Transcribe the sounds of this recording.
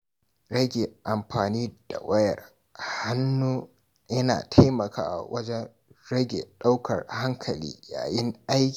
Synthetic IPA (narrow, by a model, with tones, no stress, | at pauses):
ɽɐ˦ɡʲe˨ʔa˨mɸaː˨niː˦d̥a̰˨wɐ˦jɐ̰˨r | ha˦nːuː˦ | jɐ˦na̰ː˨tʰa˦jmɐ˨kʰa̰ː˦ʔwʔɐ˦d͡ʒɛ˦n | ɽɐ˦ɡʲḛː˨ɗa˦wkʰɐ̰˨rha˦ŋkʰɐ˨lḭː˦ja̰ː˨jɪ˦ŋʔa˦jkʲː